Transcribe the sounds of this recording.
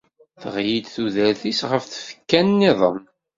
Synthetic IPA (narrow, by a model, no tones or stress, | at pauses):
θəʁjid̪θuðæɾθisʁəfθə̥fə̥kːænːiðˤə̰m